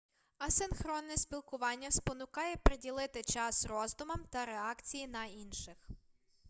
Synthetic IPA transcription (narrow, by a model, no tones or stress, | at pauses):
ɐsɪnxɾɔnːɛspʲilˠkʊʋɑnʲːɐspɔnʊkɑjɛpɾedʲilˠɪt̪ɪt͡ʃɑsrɔzd̪ʊmɐmt̪ɐɾeɑkt͡sʲijin̪ɐinʃɪx